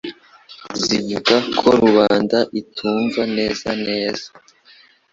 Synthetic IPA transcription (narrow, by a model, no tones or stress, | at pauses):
zivuɡakʰo̞ɾuβaːndaʔitʰuːɱvane̞ːzane̞ːz̥a